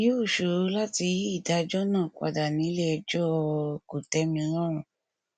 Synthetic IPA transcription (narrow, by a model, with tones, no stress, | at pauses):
ji˦o˦˨ʃo˨ɾla˦ti˧ji˦i˦˨da˨˦d͡ʒɔ˦nãː˦˨ka̰˨da˨nĩ˨˦lɛ˦ɛ˧d͡ʒɔ˦ko˨tɛ˧˦mĩ˧ɾã˦ɾ̃ũ˨